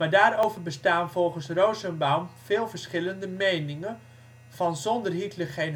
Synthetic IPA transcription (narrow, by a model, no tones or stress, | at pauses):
maːdaːɾowvəɹbəstaːnvɔlˠχənsrowzənbawmvɪːlˠvəɹsχɪləndəmejnɪŋən | v̥ɑnzɔndərɦitləχejn